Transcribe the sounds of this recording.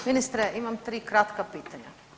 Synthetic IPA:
minist̪ɾəʔimɐmt̪ɾiːkɾɐt̪kɐpit̪ɐɲɐ̰

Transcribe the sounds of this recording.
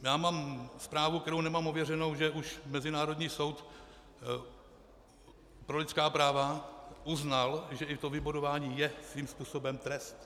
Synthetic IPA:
jaːmaːmspɾaːvuk̚t̪ɛɾownɛmamovjɛrɛno̞wʒɛʔuʃmɛzɪnaːɾo̞d̪ɲiːso̞wt̪ | pɾo̞lɪt͡sskaːpɾaːvaʔuznalʒɛɪt̪ovɪbodovaːɲiːjɛsviːmspuːso̞bɛmt̪ɾɛst̪

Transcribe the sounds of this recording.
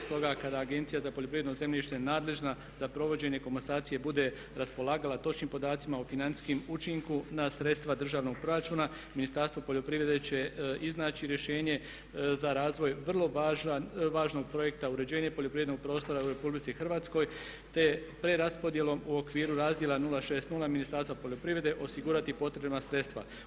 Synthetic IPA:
st̪o̞ɡakad̪aːɡe̞nt̪sijazapo̞ʎopɾiʋed̪noze̞mʎʲiʃt̪enaːd̪le̞ʒna | zapɾo̞ʋo̞d͡ʑe̞ɲe̞ko̞monsaːt̪sije̞bud̪e̞ | ɾaspo̞lˠaːɡalat̪o̞t͡ʃnimpo̞d̪aːt̪simaufinant̪i̥skimut͡ʃiŋkunasɾet̪st̪ʋad̪r̩ʒaːʋno̞ɡ̚pɾo̞ɾat͡ʃuːna | minist̪aɾst̪ʋo̞poʎo̞pɾiʋɾʲe̞d̪e̞t͡ɕe̞iznaːt͡ɕiɾje̞ʃe̞ːɲe̞ | zaɾaːzʋo̞jʋrlˠo̞ʒʋaːʒno̞ɡ̚pɾo̞je̞kt̪auɾe̞d͡ʑe̞ːɲepoʎopɾiʋenoɡ̚pɾoːst̪o̞ɾauɾe̞publit̪sixrʋaːt̪sko̞j | t̪e̞pɾe̞ɾaspod̪je̞lo̞muokʋiːɾuɾaːzd̪jelanulaʃe̞ːst̪nulaminist̪aɾst̪ʋapo̞ʎo̞pɾiʋɾe̞d̪eʔo̞siɡuːɾat̪ipo̞t̪ɾebamasɾe̞t̪st̪ʋa̰

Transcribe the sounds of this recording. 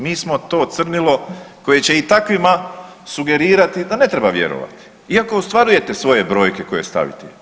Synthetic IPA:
miːsmo̞t̪o̞ːt̪sr̩nilˠo̞ko̞je̞t͡ɕe̞it̪akʋima | suɡe̞ɾiːɾat̪id̪ane̞t̪ɾe̞baʋje̞̰ɾo̞̰ʋa̰t̪i̥ | iako̞ost̪ʋaɾuje̞t̪e̞sʋo̞je̞bɾo̞ːjkeko̞je̞st̪a̰ʋḭt̪ɛ

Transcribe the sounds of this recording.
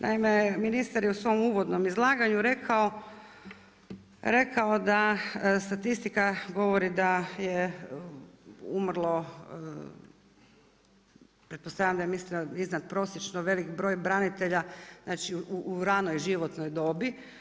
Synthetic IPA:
nʔa̰imeminist̪aɾjeusʋo̞muːʋo̞d̪no̞mizlˠaːɡaɲuɾekʰao | ɾe̞kaod̪ast̪at̪ist̪ikaɡo̞ʋoɾid̪aje | ṵmrlˠo̞ | pɾet̪po̞st̪aʋʎʲamd̪ajemislioiznat̪pɾo̞sjet͡ʃnoʋe̞likbɾo̞ːjbɾanit̪e̞ʎaznaːt͡ʃiuuɾanojʒiʋo̞t̪nojd̪o̞bi

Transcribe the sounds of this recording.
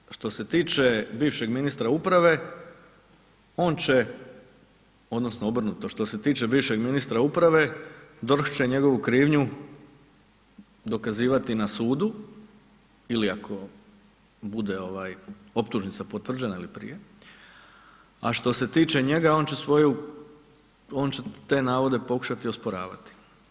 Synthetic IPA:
ʃt̪o̞se̞t̪iːt͡ʃe̞biːʋʃe̞ɡminist̪ɾaupɾaʋe̞ | o̞ːnt͡ɕe̞ | o̞d̪no̞snoobr̩nut̪oʃt̪o̞se̞t̪iːt͡ʃe̞biːʋʃe̞ɡminist̪ɾaupɾaʋe̞d̪oɾxt͡ʃeɲe̞ɡo̞ʋukɾiːʋɲu | d̪o̞kaziːʋat̪inasuːd̪u | iliakʰo̞ | bud̪e̞o̞ʋaːj | o̞pt̪uʒnit̪sapo̞t̪ʋr̩d͡ʑe̞nailipɾḭje | a̰ʃt̪o̞se̞t̪iːt͡ʃe̞ɲe̞ɡao̞ːnt͡ɕe̞sʋo̞ju | o̞ːnt͡ɕe̞t̪e̞ːnaːʋo̞d̪e̞po̞ku̥ʃat̪iospoɾa̰ːʋa̰t̪i̥

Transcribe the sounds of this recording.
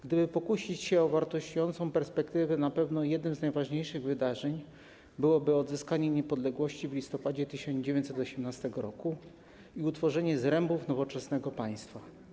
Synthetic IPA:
ɡd̪ɘbɘpɔkuɕit͡ɕɕɛɔvaɾt̪ɔɕt͡ɕujɔnt̪sɔ̃w̃pɛɾspɛkt̪ɘvɛnapɛvnɔjɛd̪nɘmznajvaʐɲejʂɘɣvɘd̪aʐɛɲ | bɘwɔbɘɔd̪zɘskaɲɛɲɛpɔd̪lɛɡwɔɕt͡ɕivlʲist̪ɔpad͡ʑɛt̪ɘɕɔnzd͡ʑevʲeɲtsɛt̪ɔɕɛmnast̪ɛɡɔɾɔku | iut̪fɔʐɛɲɛzɾɛmbufnɔvɔt͡ʂɛsnɛɡɔpaj̃st̪fa

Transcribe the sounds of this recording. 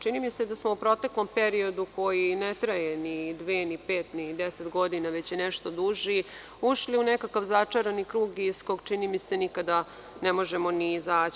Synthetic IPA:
t͡ʃinimise̞d̪asmoupɾo̞t̪e̞klo̞mpe̞ɾio̞d̪uko̞jinet̪ɾaje̞nid̪ʋeːnipeːt̪nid̪eset̪ɡo̞d̪inaʋe̞t͡ɕjeneʃt̪o̞d̪uʒi | uʃliunekakaʋzat͡ʂaɾanikɾuːɡisko̞ɡt͡ʂinimise̞nikad̪a | nemo̞ʒemo̞niizaː

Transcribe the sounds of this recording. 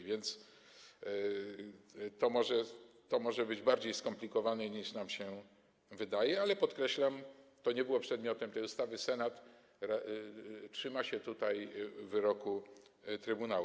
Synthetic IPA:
vʲjɛnt̪s | t̪ɔmɔʐɛt̪ɔmɔʐɛbɘd͡ʑbaɾd͡ʑejskɔmplʲikɔvanɛɲiʂnamɕɛ | vɘd̪ajɛalɛpɔt̪kɾɛɕlamt̪ɔɲɛbɘwɔpʂɛd̪mʲjɔt̪ɛmt̪ɛjust̪avɘsɛnat̪ | ɾa | tʂɘmaɕɛt̪ut̪ajvɘɾɔkut̪ɾɘbunaw

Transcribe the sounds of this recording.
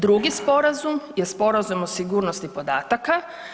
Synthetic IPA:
d̪ɾuɡispo̞ɾazumje̞spo̞ɾazumosiɡuːɾno̞st̪ipo̞d̪aːt̪aka

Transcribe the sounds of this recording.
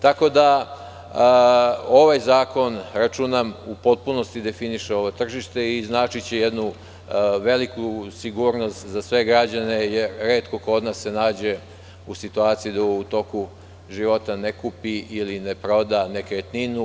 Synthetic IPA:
t̪ako̞d̪a | o̞ʋajzaːko̞nɾat͡ʃuːnamupo̞t̪̚puno̞st̪id̪e̞finiʃeo̞ʋot̪r̩ʒiʃt̪e̞iznaːt͡ʃit͡ɕejed̪nu | ʋe̞likusiɡuːɾno̞st̪zasʋe̞ɡɾad͡ʑane̞jeɾɾe̞ːt̪koko̞d̪nasːe̞naːd͡ʑe̞ | usit̪uaːt̪sijid̪aut̪o̞ku | ʒiʋo̞t̪anekupiʔilinepɾo̞d̪ane̞ket̪ninu

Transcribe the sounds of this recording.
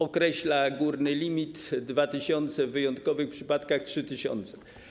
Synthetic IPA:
ɔkɾɛɕlaɡuɾnɘlʲimʲit̪d̪vat̪ɘɕɔnt̪sɛvvɘjɔnt̪kɔvɘxpʂɘpat̪kaxtʂɘt̪ɘɕɔ̰nt̪sɛ̥

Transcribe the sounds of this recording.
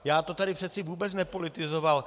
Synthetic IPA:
jaːt̪o̞t̪aɾɪpr̥ɛt̪t͡sɪvuːbɛt͡snɛpo̞lɪt̪ɪzo̞val

